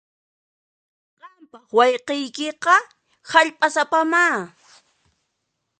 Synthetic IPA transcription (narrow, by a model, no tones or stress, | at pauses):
qɑmpɑχwɑjqejkɪqɑ | haʎpʼasapamaː